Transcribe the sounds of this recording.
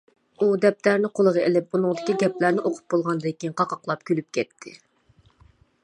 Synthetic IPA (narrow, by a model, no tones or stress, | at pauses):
ud̪ɛp̚t̪ʰæɾnɪqʰolˠəʁɑelɪp̚bunɨŋd̪ɪkʲiɡʲɛplæɾnɪʔoqʰʊ̥p̚bolˠʁɑnd̪ɪkʲʰinqʰɑqɑqlˠɑp̚kʲylyp̚kʲɛt̪ʰːɪ̰